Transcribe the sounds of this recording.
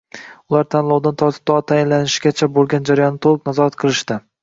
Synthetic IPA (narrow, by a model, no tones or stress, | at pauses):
ʊlˠaɾt̪ʰanlˠɒwd̪ant̪ʰɒɾt̪ʰɪ̥p̚t̪ːt̪ʰajɪnlanɪʃɡʲat͡ʃʰabolˠɡʲand͡ʒaɾajɒnːɪt̪ʰolˠɨpnazɒɾat̪qʰɨlˠɪʃt̪ɪ